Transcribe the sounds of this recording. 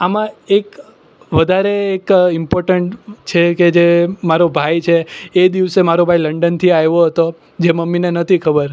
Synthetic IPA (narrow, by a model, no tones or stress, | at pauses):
amãek | ʋəd̪ʱaɾeːkɪmpoɾʈəɳʈt͡ʃʰeked͡ʒemaɾobʱajt͡ʃʰeːd̪iʋsemaɾobʱailəɳɖənt̪ʰiajʋoɦət̪o | d͡ʒeməmːinenət̪ʰikʰəbəɾ